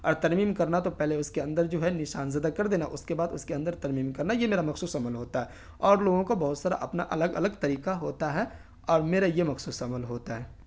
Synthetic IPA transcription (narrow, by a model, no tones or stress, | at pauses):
ɔːɾt̪ɐɾmiːmkɐɾnat̪opɛɦleʊskeɐ̃nd̪əɾd͡ʒoːɦɛnɪʃaːnzɐd̪akɐɾd̪eːna̰ʔʊskebaːd̪ʊskeɐ̃nd̪əɾt̪ɐɾmiːmkɐɾnajemeːɾamɐxsuːsɐməlɦoːt̪aɦɛ | ɔːɾloːɡõkobɐɦʊt̪saːɾa̰ʔɐpna̰ʔɐləɡɐ̰ləɡt̪ɐɾiːkaɦoːt̪aɦɛ | ɔːɾmeːɾajemɐxsuːsɐməlɦoːt̪aɦɛː